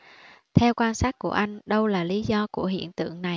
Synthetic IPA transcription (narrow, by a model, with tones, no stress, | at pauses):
t̪ʰɛ˧wkwaː˧nsaː˦˥t̚ku˧˩əʔa˧jŋ̟ɗə˧wlaː˨˩li˨˦zɔ˧ku˧˩əɦḭ˧˨ənt̪ɨ̰˧˨əŋna˨˩j